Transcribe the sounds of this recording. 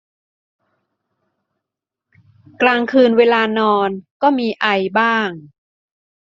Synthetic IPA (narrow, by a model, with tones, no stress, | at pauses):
klaː˧ŋkʰɯː˧nweː˧laː˧nɔː˧nkɔː˥˩miː˧ʔa˧jbaː˥˩ŋ